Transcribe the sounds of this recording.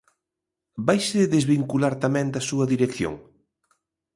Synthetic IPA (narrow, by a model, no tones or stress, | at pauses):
bajseðezβiŋkulaɾt̪amɛ̃nd̪ɐsuɐðiɾekθjo̰ŋ